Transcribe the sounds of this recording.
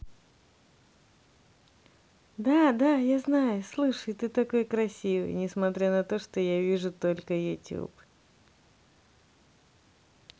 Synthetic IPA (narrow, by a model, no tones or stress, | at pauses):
d̪ad̪ajaznajʊslˠɨʂəjt̪ɨt̪ɐko̞jkɾɐsʲivɨ̰jnʲɪsmɐt̪ɾʲanɐt̪o̞ʂt̪ojavʲiʐʊt̪o̞lʲkəjʊ̰tʲṵp